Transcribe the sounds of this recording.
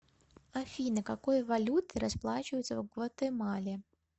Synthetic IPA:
afʲinɨkakojvalʲut̪ɨɾasplˠat͡ɕɪvəjʊt̪səvɡvɐt̪ɛmalʲɪ

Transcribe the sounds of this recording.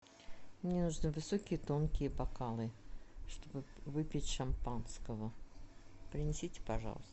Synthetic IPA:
mnnʲenuʐnɨvɨsokʲɪjət̪o̞nkʲɪjəbɐkalˠɨʂt̪o̞bɨvɨpʲɪtʲʂɐmpanskəvə | pɾʲɪnʲɪsʲitʲɪ̥pɐʐɑ̰lˠəst̪ə

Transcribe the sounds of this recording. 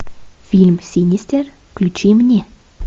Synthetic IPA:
fʲilʲmsʲinʲisʲt̪ʲerfklʲut͡ɕimnʲe

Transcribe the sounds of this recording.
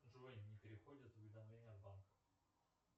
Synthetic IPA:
ʐɨvonʲnʲːɪpʲɪɾʲɪxodʲɪt̪zʊvʲɪd̪ɐmlʲenʲɪjəbankə̥

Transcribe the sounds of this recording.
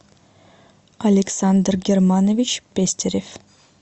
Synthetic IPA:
ɐlʲeksand̪ɾɡʲeɾmanovʲit͡ʃpʲesʲt̪ʰʲeɾʲef

